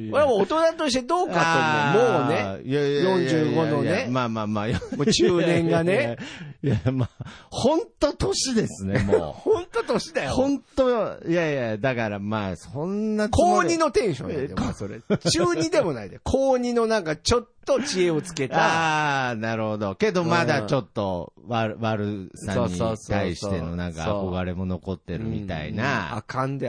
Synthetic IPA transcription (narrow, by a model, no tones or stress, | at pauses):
oɾamoot̪o̞nat̪o̞ɕi̥t̪e̞d̪o̞ːkat̪ːoomone̞jajõ̞ɲd͡ʑɨːɡo̞no̞nemaːmaːmaːjomoːt͡ɕɨːnẽ̞ŋɡanejamahõ̞nt̪ot̪oɕid̪e̞sɨnem̰hõnt̪o̞t̪o̞ɕid̪ajoõnt̪ojajad̪akaɾama̰ːsõnːaoːɲino̞t̪ẽ̞ɰ̃ɕõ̞neasoɾḛt͡ɕɨːɲ̟id̪e̞mo̞naid̪ekʰoːɲ̟ino̞nãŋkat͡ɕo̞t̪ːo̞t͡ɕie̞ot͡sɨ̥ke̞t̪aanaɾɯ̟ho̞d̪o̞ke̞d̪o̞mad̪at͡ɕo̞t̪ːo̞βaβaɾɯ̟sãɲɲːit̪aiɕi̥t̪e̞no̞nãŋkaako̞ɡaɾe̞mo̞no̞ko̞t̪ːe̞ɾɯ̟mʲit̪a̰ḭna̰a̰kãnd̪e